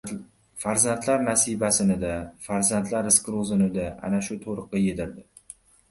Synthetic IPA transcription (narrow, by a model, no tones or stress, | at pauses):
faɾzant̪ʰlaɾnasijbasɪnɪd̪afaɾzant̪ʰlaɾɪskɾozɪnɪd̪aa̰naʃʊt̪ʰoɾɨqːɑjed̪ɪɾd̪ɪ